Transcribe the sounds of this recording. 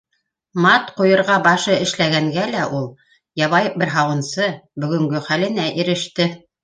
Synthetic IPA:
mɑt̪qujɤ̆ɾʁɑbɑʃɤɘ̆ʃlæɡæŋɡælæʔulˠ | jɑβɑj̚bɘɾɦɑwɤ̆nsɤbɵ̆ɡɵ̆ŋɡɵχælɘ̆næʔiɾɘ̆ʃt̪ɘ

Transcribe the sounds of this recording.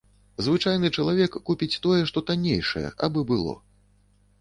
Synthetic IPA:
zvɨt͡ʂajnɨt͡ʂɐlˠavʲɛkːupʲit͡sʲt̪ɔjɛʂt̪ɔt̪anʲejʂɐ̰jɛ̰ʔa̰bɨbɨlˠɔ̰

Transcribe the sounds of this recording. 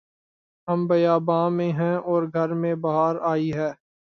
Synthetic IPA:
ɦɐmbɐjaːbãːmẽɦɛ̃ɔːɾɡʱɐɾmẽbɐɦaːɾaːiɦɛː

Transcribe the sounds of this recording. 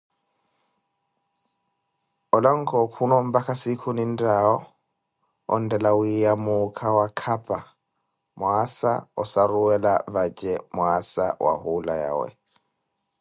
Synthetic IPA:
ɔlɔŋkɔkʰunɔmbakasikʰunindaɔ | ɔ̰ndɛlawijamukʰawakʰapa | mwasa̰ɔsaɾuwɛlavad͡ʒɛmwasa̰wa̰hulaja̰wɛ̰

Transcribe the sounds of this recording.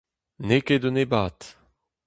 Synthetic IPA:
neked̪onebaːt̪

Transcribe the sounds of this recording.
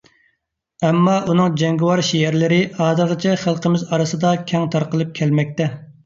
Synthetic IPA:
ɛmːɑʔunɨŋd͡ʒɛŋɡʲɪwɑɾʃijæɾlɪɾɪʔɑːd̪ɨɾʁɨt͡ʃʰɛχəlˠqʰəmɪzɑɾɨsɨd̪ɑkʲʰɛŋt̪ʰɑɾqəlˠɨp̚kʲʰɛlmɛk̚ʲt̪ɛ

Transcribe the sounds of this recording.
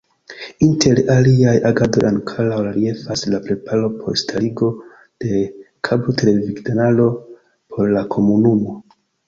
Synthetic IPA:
intʰe̞ɾaliajaɡado̞̰jʔankʰalawlaɾie̞faslapɾe̞pʰalo̞pʰo̞̰ɾstʰaliɡo̞ | d̥e̞ | kʰabotele̞viɡdonalo̞ | pʰo̞ɾlakʰo̞munumo̞

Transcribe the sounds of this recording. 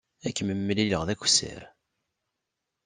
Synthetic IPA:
ækːməmːəliləʁðækʷsə̰ɾ

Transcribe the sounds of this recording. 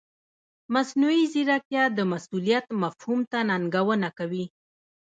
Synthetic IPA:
masnuiziɾakjɑd̪əmasulijat̪mafhumt̪anaŋɡawənakawi

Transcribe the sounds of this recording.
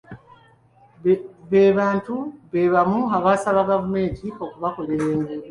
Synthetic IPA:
βeːβaːntuβeːβamuaβaːsaβaɡaβume̞ːɟio̞kuβako̞leɾeːŋɡe

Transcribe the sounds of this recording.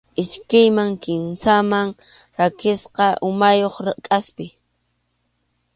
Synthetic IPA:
ɪʃkɪjmaŋkɪnsamaŋ | ɾakɪsqɑʔʊmajoχɾkʼaspɪ

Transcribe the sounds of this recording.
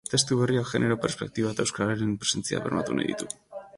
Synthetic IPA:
t̪e̞st̪uβe̞riokʝe̞nʔe̞ɾo̞pe̞ɾspe̞k̚t̪iβat̪aewskaɾaɾempɾese̞nt͡sia̰βe̞rmat̪una̰jðḭt̪u

